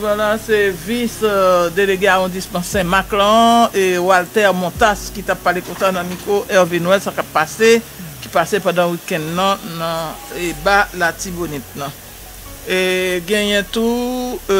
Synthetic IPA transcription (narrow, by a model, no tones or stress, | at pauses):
valasevisd̪eleɡeaʁɔ̃dismɑ̃sɛ̃maklãewalt̪ɛʁmɔ̃t̪askit̪apːalekõsanɐ̃mikʁoʔɛʁvinwɛlsakapːase | ki̥pasepɑ̃d̪ɑ̃wikɛ̃ndnɐ̃nʌ̃ | ebalatibonɛt̪̚nɐ̃ | eɡɛ̃jɛ̃t̪u